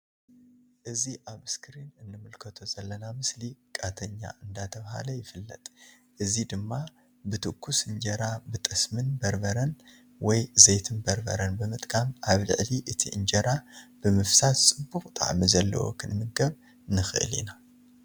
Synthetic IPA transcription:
ʔɨziʔaβɨskʰɨɾinɨnːɨmɨlkʰɐt̪ʰozɐlːɐnamɨslikʼat̪ʰɐɲːa̰ɨnd̪at̪ʰɐβha̰lɐjɪfɨlːɐ̰t̪ʼ | ʔɨzid̪ɨmːa | bɨt̪ʰɨkʰːusɨnd͡ʒɐɾabɨt̪ʼɨsmɨnbɐɾbɐɾɐn | wɔjzejt̪ʰɨnbɐɾbɐ̰ɾɐnbɨmɨt̪ʼkʼamʔaβlɨ̰ʕliʔɨt̪ʰiʔɨnd͡ʒɐɾab̥ɨmɨfsat̪t͡sʼɨbːuxʼt̪ʼa̰ʕmizɐlːɐ̰wo̰kʰɨnmɨɡɐβ | nɨxɨʔɨ̰lḭna

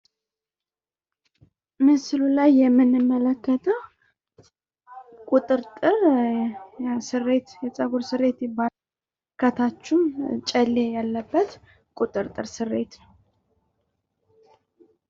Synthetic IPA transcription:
mɨsɨlulajːɛmːɨnːɨmːələkːət̪ʰəw | kʼut̪ʼɨɾt̪ʼɨɾ | sɨrːe̞t̪jɛt͡sʼəɡoɾsɨrːe̞t̪jɪba | kʰət̪ʰat͡ʃːumt͡ʃʼəlːejalːəbːət̪ | kʼut̪ʼɨɾt̪ʼɨɾsɨrːe̞̰t̪nəw

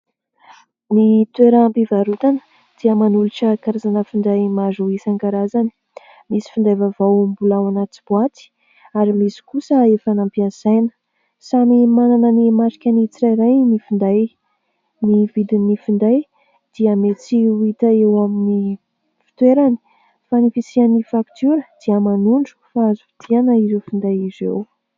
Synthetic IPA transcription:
mit̪weɾampivaɾut̪anə̥ | d̪̥iəmanuluʈ͡ʂəkaɾazanəfind̪ajmazuisaŋɡaɾazani̥ | misi̥find̪ajvavawmbulawanat͡sib̥uat̪i̥ | aɾimisi̥kusəefanampiazajnə̥ | samimananənimaʈ͡ʂi̥kʲanit͡siɾajɾajnifind̪aj | nivid̪inifind̪aj | d̪̥iəmet͡siuit̪əewamini | fi̥t̪weɾani̥ | fanifisianifakt̪uɾəd̪̥iəmanuɳɖ͡ʐu̥faazuvi̥t̪ʰianəizefind̪ajizḛw

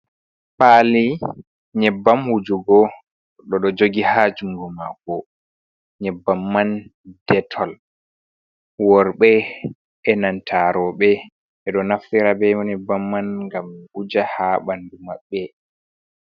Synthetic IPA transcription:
paːli | ɲɛbːamhud͡ʒuɡɔ | ɗɔɗɔd͡ʒoɡihad͡ʒumɡɔmakɔ | ɲɛbːamːand̥ɛtʰɔl | wɔɾɓɛ | ɛnantʰaɾɔɓɛ | ʔɛɗɔnaftiɾabɛmɔnɛbamːanŋɡamʔud͡ʒahaɓandumaɓːɛ

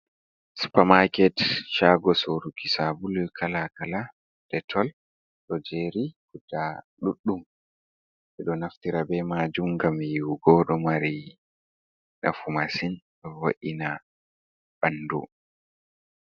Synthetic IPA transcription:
su̥pamakɛtʃaːɡɔsoɾukisabulkʰalakala | d̥ɛtʰɔl | ɗɔd͡ʒeɾikuda | ɗuɗːum | ʔɛɗɔnaftiɾabɛmad͡ʒumɡamjiwɡɔɗɔmaɾi | ɗa̰fumasin | ɗɔwa̰ʔina | bandṵ

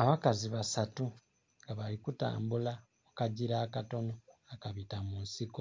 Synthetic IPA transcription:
aβakaziβasatu | ŋɡaβalikuta̰ːmbula | okaɟiɾaːkato̞no̞akaβitamunsiko

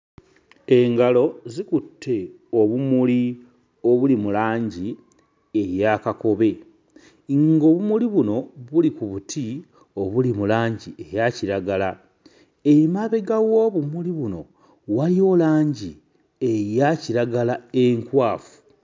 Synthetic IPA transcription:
e̞ŋɡalo̞zikutʰːe̞ | o̞βumuli | o̞βulimulaːɲɟi | ejakako̞βe̞ | ŋɡo̞βumuliβuno̞βulikuβuti | o̞βulimulaːɲɟiʔe̞jaciɾaɡala | eimaβe̞ɡawo̞ːβumuliβuno̞ | walio̞laːɲɟi | ejaciɾaɡalaeŋkwaːfu̥

